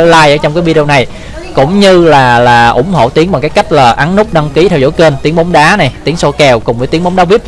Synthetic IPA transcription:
ə˧laː˧jʔəː˧˦˩t͡ɕŋ͡mkaː˨˦jvi˧ɗi˧ə˧na˨˩j | kʊ̰˧˥˨ŋ͡mɲɨ˧laː˨˩laː˨˩ʔʊ̰˧˩ŋ͡mho̰˧˨t̪i˨˦əŋɓaː˨˩ŋkaː˨˦jka˦˥jk̟̚laː˨˩ʔa˨˦nnʊ˦˥k͡p̚ɗa˧ŋki˨˦t̪ʰɛ˧wzo̰˧˥jke˧nt̪i˨˦əŋɓo˨˦wŋ͡mɗaː˨˦na˨˩jt̪i˨˦əŋso˧kɛ˨˩wkʊ˨˩ŋ͡mvəː˨˦jt̪i˨˦əmɓŋ͡mɗaː˨˦vi˦˥p̚

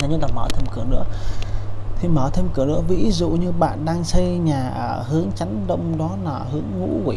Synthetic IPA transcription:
aː˨˩ɲ˦laː˨˩məː˧˩t̪ʰe˧mkɨ˨˩ənɨ̰˧˥ə | t̪ʰi˨˩məː˧˩t̪ʰe˧mkɨ˨˩ənɨ̰˧˥əvḭ˧˥zṵ˧˨ɲɨ˧ɓa̰ː˧˨nɗaː˧ŋsə˧jɲaː˨˩ʔəː˧˩hɨ˨˦əŋt͡ɕa˨˦jŋɗə˧wŋ͡mɗɔ˨˦nəː˨˧˩hɨ˨˦əŋːṵ˧˥wi˨˧˩

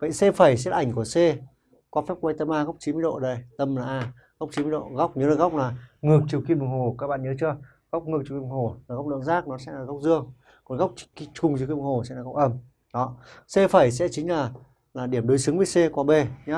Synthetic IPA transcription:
ɓə̰˧˨ŋse˧fə˨˩js̬ɛ˦˥t̚ʔa˧˩jŋ̟ku˧˩əse˧ | kwɔ˨˦fɛ˦˥p̚kwa˧jt̪ə˧mʔaː˧ɣa˦˥wk͡p̚t͡ɕi˨˦nm˧˨jɗo̰˧˨ɗə˧˩jt̪ə˧mlaː˨˩ʔaː˧˩ | ɣwk͡p̚t͡ɕi˨˦m˧˦ɗo̰˧˨ɣa˦˥wk͡p̚ɲə˨˦lə˧˨˧ɣa˦˥wk͡p̚laː˨˩ŋɨ˨˩ək̚t͡ɕi˨˩əwki˧m˨˩ŋho˨˩kaː˦˥k̚ɓa̰ː˧˨nɲəː˨˦t͡ɕɨ˧ə | ɣk͡p̚ŋɨ˨˩k̚t͡ɕi˨˩kŋho˨˩laː˨˩ɣk͡p̚lɨ̰˧˨əŋzaː˦˥k̚nɔ˨˦sɛ̰˧˥laː˨˩ɣwk͡p̚zɨ˧əŋ | kɔ˨˦nɣa˦˥wk͡p̚t͡ɕki˧t͡ɕʊ˨˩ŋ͡mt͡ɕkm˨ŋho˨˩sɛ̰˧˥laː˨˩ɣa˦˥k͡p̚ʔə˧m | ɗɔ˨˦se˧fə˨˩js̬ɛ̰˧˥t͡ɕï˨˦ŋ̟laː˨˩ | laː˨˩ɗi˧˩əmɗo˨˦jsɨ˨˦ŋvəː˨˦jse˧kwaː˧˦ɓe˧ɲaː˨˦

